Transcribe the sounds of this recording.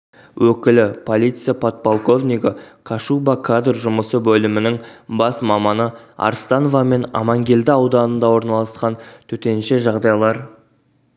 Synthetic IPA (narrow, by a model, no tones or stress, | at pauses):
wʔɵkʲɪlɪpʰo̞lˠijt̪sɨjapʰot̪̚polˠko̞vniɡəkʰaʃubakʰad̪rʒʊməsəbɵlɪmɪnɪŋbɑsmɑmɑnəɑ̰ɾst̪ɑnovɑme̞nɑ̰mɑŋɡʲe̞ld̪ɪɑwd̪ɑnənd̪ɑwo̞ɾnɑlˠɑsqɑnt̪ʰɵt̪e̞nʃe̞ʒɑʁd̪ɑjlˠɑɾ